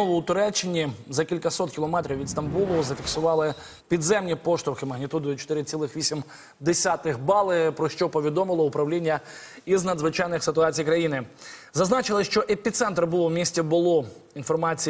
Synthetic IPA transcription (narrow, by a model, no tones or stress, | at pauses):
ɔlˠʊʊt̪ʊɾɛt͡ʃːɪnʲizɐkʲilʲkɐsɔt̪̚kʲilˠɔmɛt̪ɾʲiwʋʲid̪st̪ɐmbulˠɔzɐfʲiksʊʋɑlˠɪ | pʲid̪zɛmnʲipɔʃt̪ɾʊxɪmɐɦnʲit̪ud̪ʊjʊt͡ʃɔ̥t̪ɪɾɪt͡sʲilˠɪxʋʲisʲim | d̪esʲat̪ɪxbɑlˠɪpɾɔʃt͡ʃɔpɔʋʲid̪ɔmɪlˠɔʊpɾɐwlʲinʲːɐ | iznɐd̪zʋɪt͡ʃɑjnɪxsɪt̪ʊɑt͡sʲijkɾɐjinɪzɐznɑt͡ʃɪlˠɪʃt͡ʃɔʔepʲit̪sɛnt̪ɾbulˠɔwmʲisʲtʲɛbʊlˠɔ | infɔrmɑt͡sʲi